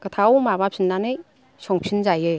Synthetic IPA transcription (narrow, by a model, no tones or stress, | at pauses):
kət̪ʰawmabapʰinːanɯj | sɔŋpʰinzajɯ